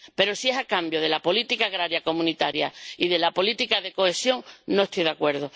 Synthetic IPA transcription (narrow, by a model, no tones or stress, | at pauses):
pe̞ɾosie̞sakambjoð̞e̞lapo̞lit̪ikaːɣɾaɾjako̞mũnit̪aɾjaiðe̞lapo̞lit̪ikaðe̞ko̞e̞sjo̞ŋnoest̪ojðeakwe̞ɾð̞o